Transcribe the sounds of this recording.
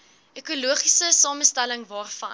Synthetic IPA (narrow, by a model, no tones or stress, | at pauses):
ʔekuluəχisəsɑːməstæləŋvɑːrfɐ